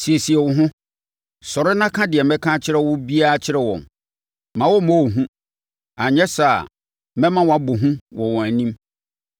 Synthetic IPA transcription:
si˨ɛ˨si˨ɛ˨wʊ˨ɦʊ̃˦ | sɔ˨ɾɪ˦nã˦kʰã˦dɪ˨ɛ˨mɛ̃˦kʰã˦t͡ɕʰɪ˦ɾɛ˦wʊ˦bi˦a˦˨t͡ɕʰɪ˦ɾɛ˦wɔ̰̃˨m | mã˨wɔ˦mo˦˨ɦũ˦ | a˨ɲɛ̃˦sa˦˨ | mɛ̃˦mã˦wɔ̃˨a˨˦bʊ˨ɦũ˦wɔ̃˨wɔ̃˨æ˨nĩ˦m

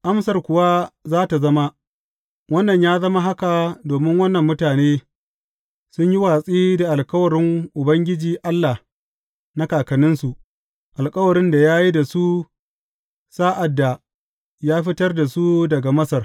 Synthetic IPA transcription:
ʔa˦msɐ˨rkʷʊ˨wa˦zaː˦ta˨zɐ˦ma˦ | wɐ˦nːɐ˨ɲjaː˦zɐ˦ma˦ɦa˦ka˨doː˨mɪ˦ŋwɐ˦nːɐ˨mːʊ˦taː˨neː˦ | sʊ˦ɲji˦waː˨sʼiː˦da˨ʔa˨lkʼɐ˦wɐ˨ɽɪ˦ŋʔʊ˨bɐ˦ŋɡʲɪ˦d͡ʒiː˨ʔa˦lːa˨ | na˦kaː˨kɐ˨nɪ˦nsu˨ʔ | ʔa˨lkʼɐ˦wɐ˨ɽɪ˦nda˨jaː˦ji˦da˨su˦ | saː˦ʔa˨dːa˨ | jaː˦ɸɪ˦tɐ˦rda˨su˦dɐ˨ɡa˨mɐ˦sɐ˨r

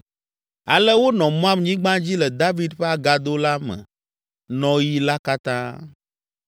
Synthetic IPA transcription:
a̰˨lɛ˦wo˦nɔ̃˨mɔ̃˦ã˦mɲĩ˦ɡ͡bã˦d͡ʑi˦lɛ˨d̪a˦vi˦d̪ɸe˦a˨ɡa˨d̪o˦la˦mɛ̰̃˨ | nɔ̃˦ji˦la˦ka˦t̪ã̰˦

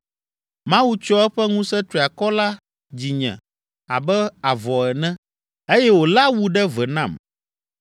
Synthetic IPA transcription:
mã˦wu˦t͡ʃɔ˦ɛ˦ɸɛ˦ŋũ˦sɛ˦t̪ɾi˨a˨kɔ˦la˦ | d͡ʑi˨ɲɛ̰̃˨ | a̰˨bɛ˦a˨vɔ˨ɛ˨nɛ̃˦ | e˦jɛ˦wo˨la˦wu˦ɖɛ˦vɛ˨nã˦˨m

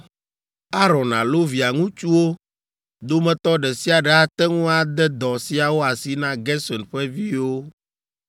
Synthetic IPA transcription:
a˦ɾɔ̃˨nã̰˨lo˦vi˨a˨ŋũ˦t͡ʃu˦wo˦ | d̪o˦mɛ̃˨t̪ɔ˦ɖɛ˨si˦a˨ɖɛ˨a˦t̪ɛ˦ŋũ˦a˨d̪ɛ˦d̪ɔ˨si˦a˨wo˦a˨si˦nã˦ɡɛ˦sɔ˨nɸɛ˦vi˦wo˦

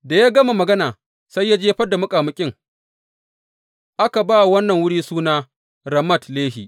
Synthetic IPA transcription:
da˨jaː˦ɡɐ˦ma˨mɐ˨ɡɐ˦naː˨ | sa˦jːa˦d͡ʒeː˦ɸɐ˦da˨mʊ˦kʼaː˨mʊ˦kʲʼɪ˦ŋ | ʔa˦ka˨baː˦˨wɐ˦nːɐ˨ŋwʊ˦ɽiː˦suː˦naː˦ | ɾɐ˨mɐ˦˨tleː˦ɦḭ˨ʔ

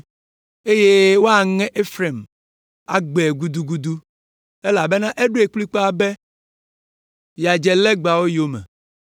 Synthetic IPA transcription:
e˦je˦wo˦a˨ŋɛ̃˦ʔe˦fɾe˨m | a̰˨ɡ͡bɛ˨ɡu˦d̪u˦ɡu˦d̪u˦ | e˦la˨be˦nã˦ʔe˦ɖo˦e˨k͡pli˦k͡po˦a˦be˦ | ja˨d͡ʒɛ˨lɛ˦ɡ͡ba˨wo˦jo˦mɛ̰̃˨

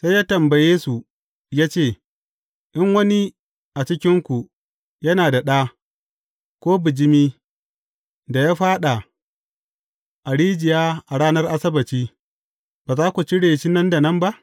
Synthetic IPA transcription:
sa˦jaː˦tɐ˨mba˨jeː˦su˨ | jaː˦t͡ʃeː˦˨ | ʔɪ˦ŋwɐ˦ni˦ | ʔa˨t͡ʃɪ˦kʲɪ˦ŋkʷu˨ | jɐ˦naː˨da˨ɗaː˦ | kʷoː˦bɪ˨d͡ʒɪ˦miː˦ | da˨jaː˦ɸaː˦ɗa˨ | ʔa˨ɽiː˦d͡ʒɪ˨jaː˦ʔa˨ɽaː˦nɐ˦rʔa˦sɐ˦bɐ˨t͡ʃiː˦ | baː˨zaː˦kʷu˨t͡ʃi˦ɽeː˨t͡ʃi˦nɐ˦nda˨nɐ˦mba˦ʔ

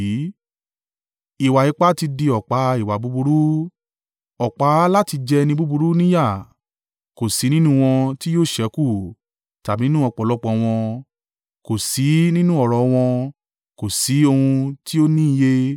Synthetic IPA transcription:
i˨wa˨i˨˦k͡pa˦ti˧di˧ɔ˨k͡pa˨˦i˨wa˨bu˨˦bu˧ɾu˦ | ɔ˨k͡pa˨˦la˦ti˧d͡ʒɛ˧nĩ˧bu˦bu˧ɾu˦nĩ˦ja˦˨ | ko˨si˨˦nĩ˦nũ˦w̃ɔ̃˧ti˦joː˦˨ʃɛ˨˦ku˦˨ | ta˨bi˨˦nũ˦ɔ˧˨k͡pɔ˨lɔ˦k͡pɔ̃˧w̃ɔ̃˧ | ko˨si˨˦nĩ˦nũ˦ɔ˦˨ɾɔ˨˧w̃ɔ̃˧ | ko˨si˨˦o˧hũ˧ti˦o˦nĩ˦˧je˦

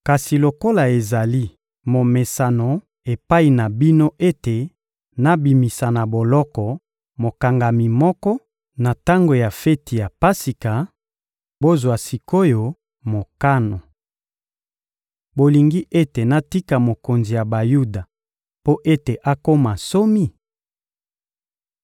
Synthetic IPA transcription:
ka˨si˨lo˨ko˦la˨e˨za˨li˦ | mo˨me˨sa˨no˨ | e˨pa˦i˨na˨bi˦no˦ʔe˦te˨ | na˦bi˨mi˨sa˨na˨bo˨lɔ˦kɔ˨ | mo˨ka˨ŋɡa˨mi˨mɔ˦kɔ˦ | na˨ta˦ŋɡo˨ja˨fe˦ti˨ja˨pa˦si˨ka˨ | bo˦zwa˨si˨ko˦jo˨ | mo˨ka˦no˨ | bo˨li˨ŋɡi˦ʔe˦te˨na˦ti˦ka˨mo˨ko˨nzi˨ja˨ba˨ju˦da˨ | po˦ʔe˦te˨ʔa˦ko˦ma˨so˦mi˦

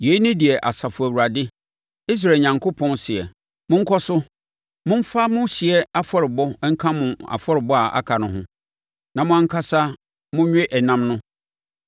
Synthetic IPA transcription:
je˨˦i˦nɪ̃˦di˨ɛ˨ʔa˨sa˨fʊ˨æ˨wu˨ɾa˨dɪ˦ | i˦s̬ɾa˨ɲã˨ŋkʰo˦pʰɔ̃˦nsɪ˨ɛ˨ | mʊ̃˦ŋ̩˦kʰɔ˦sʊ˦ | mʊ̃˦m̩˦fa˦mʊ̃˦ɕɪ˨ɛ˦a˦fɔ˦ɾɪ˨bɔ˦ŋ̩˦kʰã˦mʊ̃˨a̰˨fɔ˦ɾɪ˨bɔ˦a˨ʔa̰˦kʰa˨nʊ̃˨ɦʊ̰̃˦ | nã˨mʊ̃˦ã˦ŋ̩˦kʰa˦sa˦ | mʊ̃˦ɥᶣɛ˦ʔɛ˨nã˦mnʊ̃˦

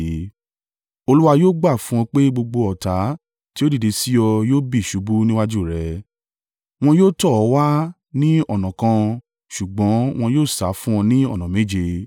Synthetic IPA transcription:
o˧lu˦wa˧joː˦ɡ͡ba˦˨fũ˦ɔ̃˧k͡pe˦ɡ͡bo˧ɡ͡bo˧ɔ˨ta˨˦ | ti˦o˦di˦˨de˨˧˦si˦jɔ˧joː˦bi˦˨ʃu˨˦bu˦nĩ˦wa˦d͡ʒu˦˨ɾɛ˨˦ | w̃ɔ̃˧joː˦tɔ˦˨ɔ˨˧˦wa˦ | nĩ˦ɔ˦˨nã˨kã˧ | ʃu˨ɡ͡bɔ̃˨˦w̃ɔ̃˧joː˦˨sa˨˦fũ˦ɔ̃˧nĩ˦ɔ̰˦˨nã˨me˦d͡ʒe˧

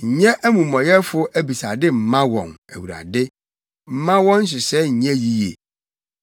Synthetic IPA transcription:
ɲ̩˨ɲɛ̃˦ʔæ˦mũ˨mɔ̃˨jɛ˦fʊ˦ʔæ˦bi˨sa˨dɪ˦m̩˨mã˦wɔ̰̃˨næ˨wu˨ɾa̰˨dɪ˦ | m̩˨mã˦wɔ̃˦n̩˦ɕ̬ɪ˨sɛ˦ɲ̩˨ɲɛ̃˦ji˦jḛ˨

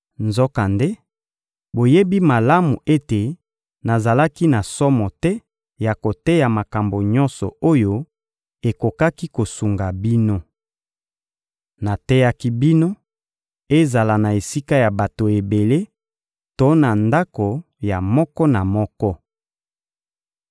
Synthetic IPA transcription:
nzɔ˦ka˨nde˦ | bo˨je˦bi˦ma˨la˦mu˨e˦te˨ | na˨za˨la˦ki˦na˨sɔ˦mɔ˨tɛ˦ | ja˨ko˨tɛ˦ja˨ma˨ka˨mbo˨ɲɔ˦nsɔ̰˨o˦jo˦ | e˨ko˨ka˦ki˦ko˨su˨ŋɡa˨bi˦no˦ | na˨tɛ˦ja˦ki˦bi˦no˦ | e˦za˨la˨na˨e˨si˦ka˦ja˨ba˨to˨e˨be˨le˦ | to˦na˨nda˦ko˨ | ja˨mɔ˦kɔ˦na˨mɔ˦kɔ˦

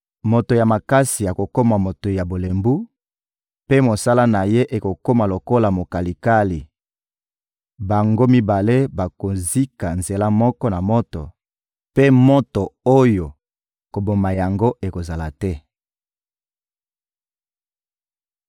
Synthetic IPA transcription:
mo˨to˨ja˨ma˨ka˦si˨a˨ko˨ko˦ma˨mo˨to˨ja˨bo˨le˨mbu˦ | pe˦mo˨sa˦la˦na˨je˦ʔe˨ko˨ko˦ma˨lo˨ko˦la˨mo˨ka˨li˨ka˦li˨ | ba˨ŋɡo˦mi˦ba˨le˦ba˨ko˨zi˦ka˨nze˨la˦mɔ˦kɔ˦na˨mɔ˦to˨ | pe˦mo˦to˨o˦jo˨ | ko˨bo˨ma˨ja˨ŋɡo˦ʔe˨ko˨za˨la˨tɛ˦

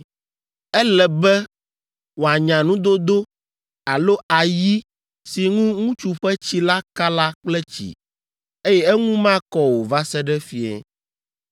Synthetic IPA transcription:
ɛ˦lɛ˨bɛ˦ | wo˨a˨ɲã˨nũ˦d̪o˦d̪o˦ | a˨lo˦a˨ji˦ | si˨ŋũ˦ŋũ˦t͡ʃu˨ɸɛ˦t͡ɕi˦la˦ka˦la˦k͡plɛ˦t͡ɕḭ˨ | e˦jɛ˦ɛ˦ŋũ˦mã˦kɔ˦wo˨va˦sɛ˦ɖɛ˦fi˦ɛ̰˨

